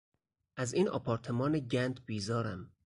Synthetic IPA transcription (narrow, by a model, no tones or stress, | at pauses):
ʔæziːnɒ̰ːpʰɒːɾt̪ʰemɒːneɟænd̪biːzɒːɾæm